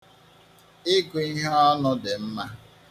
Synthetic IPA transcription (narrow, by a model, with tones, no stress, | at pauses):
ɪ˦ɡu˨i˦ɦa˦ɔ˦nʊ˦dɪ˨m̩˦ma˦